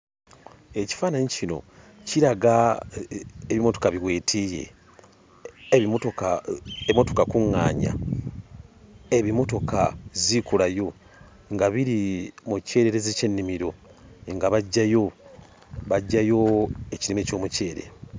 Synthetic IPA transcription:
e̞ci̥faːnaɲicino̞̰ | ciɾaɡa | eβimo̞to̞̥kaβiɣwe̞ːtʰije̞̰ | otoaeimo̞to̞kakuŋːa̰ːɲa̰ | eβimo̞to̞kazikulajo̞ | ŋɡaβiɾimuce̞ːɾeɾezice̞nːimiɾo̞ŋɡaβaɟːajo̞ | βaɟːajo̞eciɾimeco̞ːmuce̞ːɾe̞̰

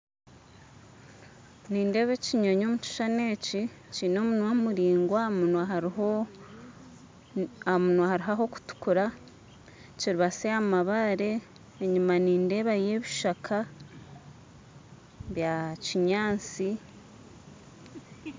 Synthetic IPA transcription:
niːnde̞ːβe̞ciɲoɲo̞ːmut͡ʃi̥ʃane̞ːci | ciːno̞ːmunwamuɾiːŋɡwa | amunwahaɾiɦaɦo̞ku̥tu̥kuɾa | ciɾiβaseamaβaɾe̞ː | ɲumaniːnde̞ːβaje̞βiʃakʰa | βjaciɲaːnt͡si

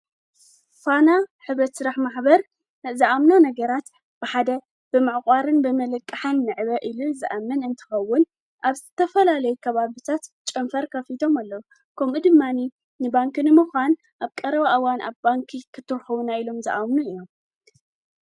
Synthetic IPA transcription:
fanaħɨβɾɐt̪sɨɾaħmaħbɐɾ | nɐzɨʔamnanɐɡɐɾat̪ | b̥ɨħad̪ɐ | b̥ɨmaʕkʼaɾɨnbɨmɐlɐkʼːɨħɐnːɨʕɨβɐʔɨluzɨʔamːɐnɨnt̪ʰɨ̥xɐwːʊn | ʔaβzɨt̪ʰɐfɐlalɐjukʰɐβaβɨt̪ʰat̪ | t͡ʃʼɐmfɐɾkʰɐfit̪ʰomalːɐwu | kʰɐmʔud̪ɨmːani | nɨbaŋknɨmuxan | ʔaβkʼɐɾɐβaʔawanʔa̰βbaŋkʰikʰɨt̪ʰːɨɾxɐwunailo̞mzɐ̰ʔamnuijːo̞m

